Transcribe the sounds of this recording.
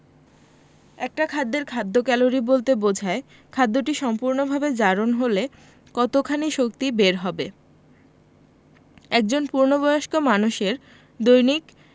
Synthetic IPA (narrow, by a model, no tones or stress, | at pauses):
ɛk̚ʈakʰad̪ːeɾkʰad̪ːokɛloɾibolt̪ebod͡ʑʱae | kʰad̪ːoʈiʃɔmpuɾnobʱabed͡ʑaɾonɦole | kɔt̪okʰaniʃok̚t̪ibeɾɦɔbe | ɛk̚d͡ʑonpuɾnobɔjoʃkomanuʃeɾ | d̪ojnik